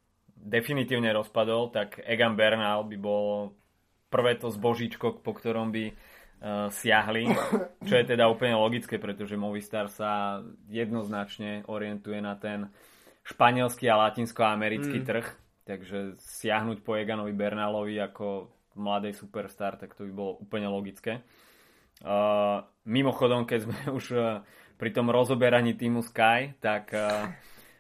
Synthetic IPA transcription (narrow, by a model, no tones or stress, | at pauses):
d̪ɛfinit̪iːʊɲɛɾɔspad̪ɔlt̪aɡɛɡanbɛɾnalbibɔlɔ | pr̩ʋɛːt̪ɔzbɔʒit͡ʃkɔk̚pɔkt̪ɔɾɔmbi | sɪaɦlit͡ʃɔjɛt̪ɛd̪auːpl̩ɲɛlɔɡit͡skɛːpɾɛt̪ɔʒɛmɔʋist̪aːɾsajɛd̪nɔznat͡ʃɲɛʔɔɾɪɛnt̪ujɛnat̪ɛn | ʃpaɲɪɛlskialacinskɔamɛɾit͡skit̪r̩x | t̪aɡʒɛsɪaɦnucpɔjɛɡanɔʋibɛɾnalɔʋiakɔ | mlad̪ɛːsupɛɾst̪aːɾt̪akt̪ɔbibɔlɔʔuːpl̩ɲɛlɔɡit͡skɛː | mimɔxɔd̪ɔmkɛzmɛuʃ | pɾit̪ɔmɾɔzɔbɛɾaɲit̪iːmuskajt̪ak